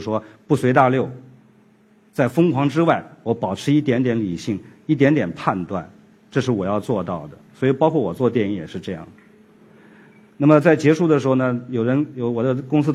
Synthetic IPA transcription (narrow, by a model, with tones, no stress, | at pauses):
ʂwɔ˥pu˥˩swe˧˥ɪt̪̬a˥˧ljo˥˩ʊ | t͡sa˥˩ɪfɤ˥ŋkʰwɑ˧˥ŋʈ͡ʂɻ̩˥wa˥˩ɪwɔ˧˥pɑ˨˩ʊʈ͡ʂʰɻ̩˧˥i˥˩t̪jɛ˧˥nt̪jɛ˧˥nli˨˩ɕi˥˩ŋi˥˩t̪̬jɛ˧˥nt̪jɛ˨˩npʰa˥˧nt̪wa̰˥˩n | ʈ͡ʂɤ˥˧ʂ̬ɻ̩˥˩wɔ˨˩jɑ˥˧ʊt͡swɔ˥˧t̪ɑ˥˩ʊd̪ə˩swɔ˧˥i˨˩pɑ˥ʊkʰwɔ˥˩wɔ˨˩t͡swɔ˥˧t̪jɛ˥˧ni˥˩jɛ̰˨˩ʂɻ̩˥˧ʈ͡ʂɤ˥˧jɑ̰˥˩ŋ | na˥˩mə˩t͡sa˥˩ɪt͡ɕjɛ˧˥ʂu˥˩d̪ə˩ʂɻ̩˧˥xo˧˩ʊnə˩jo˨˩ʊɻə˧˥njo˧˩ʊwɔ˨˩d̪ə˦kʊ˥ŋsɹ̩˥